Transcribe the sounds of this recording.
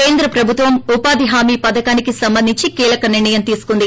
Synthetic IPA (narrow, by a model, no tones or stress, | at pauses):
keːnd̪ɾɐpɾɐbʱut̪ʋɐmupaːd̪iɦaːmiːpɐd̪ɐkaːnikisɐmbɐnd̪ʱiɲt͡ʃikiːlɐkɐniɾɳɐjɐmt̪iːsu̥kund̪i